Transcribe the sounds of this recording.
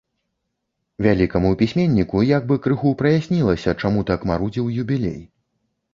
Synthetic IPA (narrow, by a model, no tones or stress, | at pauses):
vʲalʲikɐmupʲisʲmʲenʲːikujaɡ̚bɨkɾɨxupɾɐjasʲnʲilˠɐsʲɐt͡ʂamut̪akmaɾud͡zʲiwjubʲilʲḛj